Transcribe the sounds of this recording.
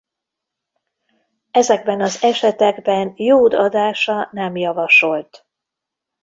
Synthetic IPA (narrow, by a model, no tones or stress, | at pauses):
ɛzɛɡ̚bɛnɒzɛʃɛt̪ɛɡbɛnjoːd̪ɒd̪aːʃɒnɛmjɒvɒʃo̞lt̪